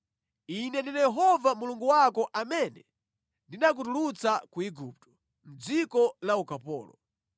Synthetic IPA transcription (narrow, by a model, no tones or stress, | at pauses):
inɛndinajɛɦɔvamuluŋɡuwakɔʔamɛnɛ | ndinak̬utulut͡sakuiɡup̚tɔ̥ | m̩d͡zikɔlaukapɔ̰ːlɔ̰